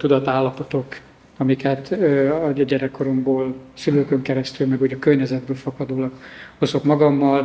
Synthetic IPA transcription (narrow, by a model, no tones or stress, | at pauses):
t̪ud̪ɒt̪aːlːɒpo̞t̪o̞k | ɒmikɛt̪ːɒɟɛɾɛkːo̞ɾomboːlsyløːkøŋkɛɾɛst̪ylmɛɡuːɟɒkørɲɛzɛd̪̚bøːlfɒkɒd̪oːlɒkho̞zo̞kmɒɡɒmːɒl